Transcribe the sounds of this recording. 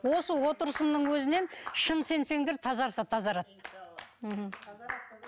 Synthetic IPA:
wo̞səwo̞t̪əɾəsəmd̪əɴwɵzɪne̞nʃənse̞nse̞ŋd̪eɾt̪ʰɑzɑɾsɑt̪ʰɑzɑɾɑt̪ːəm̩ɦm̩

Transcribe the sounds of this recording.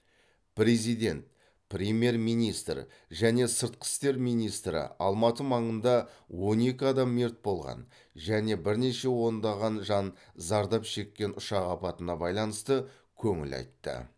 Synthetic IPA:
prʲe̞zijd̪e̞nt̪̚ | prʲemje̞rmijnijst̪r | ʒæne̞səɾt̪̚qʰə̥st̪e̞ɾmijnijst̪ɾɪ̰ɑ̰lˠmɑt̪əmɑɴənd̪ɑwo̞ne̞kʲɪɑd̪ɑmːe̞ɾt̪̚bo̞lˠʁɑ̰n | ʒæne̞bɪɾne̞ʃe̞wo̞nd̪ɑʁɑnʒɑn | zɑɾd̪ɑpʃe̞kʲːe̞nʊʃɑqɑpɑt̪ənɑbɑjlˠɑnəst̪ə | kʲʰɵŋɪ̰lɑ̰jt̪ːə̰

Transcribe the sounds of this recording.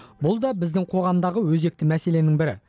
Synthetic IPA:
bʊlˠd̪ɑbɪzd̪ɪŋqʰo̞ʁɑmd̪ɑʁəwɵze̞k̚t̪ɪmæse̞le̞nɪŋbɪɾɪ̰

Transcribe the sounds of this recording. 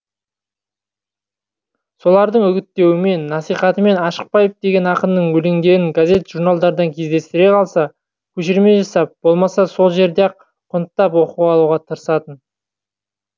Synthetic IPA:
so̞lˠɑɾd̪əɴʏɡʲɪt̪ːe̞wɪme̞nːɑsijχɑt̪əme̞nɑʃə̥q̚pɑjəp̚d̪e̞ɡʲe̞nɑqənd̪əɴwɵle̞ŋd̪e̞ɾɪŋɡazʲe̞t̪ʒ̥uɾnalˠd̪ɑɾd̪ɑŋkʲʰe̞zd̪e̞st̪ɪɾe̞qʰɑlˠsɑ | kʲʰɵʃɪɾme̞ʒɑsɑp̚b̥o̞lˠmɑsɑso̞lˠʒe̞ɾd̪eq | qʰʊnətt̪ːɑp̬wo̞quʁɑlˠuʁɑt̪ʰəɾəsɑt̪ən

